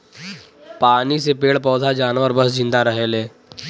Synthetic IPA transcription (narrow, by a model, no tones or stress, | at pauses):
paːnisepeːɭpɔːd̪ʱad͡ʒaːnʋəɾbəsd͡ʒɪ̃nd̪aɾəɦeːlẽː